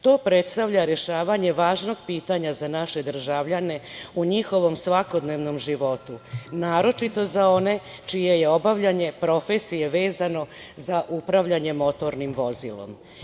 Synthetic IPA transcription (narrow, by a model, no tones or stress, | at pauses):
t̪o̞ːpɾe̞t̪st̪aʋʎaɾe̞ʃaːʋaɲe̞ʋaːʒno̞ɡ̚piːt̪aɲazanaʃe̞d̪r̩ʒaʋʎane̞uɲixo̞ʋo̞msʋako̞d̪ne̞ʋno̞mʒiʋo̞t̪unaːɾo̞t͡ʃit̪o̞zao̞ne̞ | t͡ʃije̞je̞obaʋʎaɲe̞pɾo̞fe̞sije̞ʋe̞ːzano̞zaʔupɾaʋʎaɲe̞mo̞t̪o̞ɾnimʋo̞zḭlo̞̰m